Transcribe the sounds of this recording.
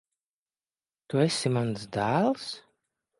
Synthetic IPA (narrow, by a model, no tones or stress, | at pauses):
t̪uɛsʲimansd̪æːlˠs